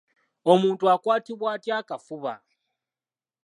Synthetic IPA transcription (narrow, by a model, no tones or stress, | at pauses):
omuntʼuakʼwatʰiβwatʼiakʼafuβa̰